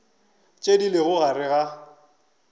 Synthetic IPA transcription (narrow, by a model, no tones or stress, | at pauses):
t͡ʃʼedilɪɣʊɣaɾɪɣa